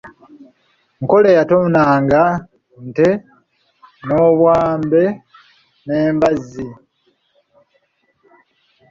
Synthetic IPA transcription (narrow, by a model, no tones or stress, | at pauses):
ŋko̞lejatomunaːŋɡa | nte | no̞βwaːmbe̞ | ne̞ːmbazi